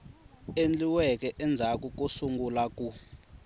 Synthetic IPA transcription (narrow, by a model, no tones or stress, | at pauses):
end͡ɮiwɛk̬ɛʔɛnd͡zʱak̬ʼuk̬ʼusuŋɡulak̬ʼu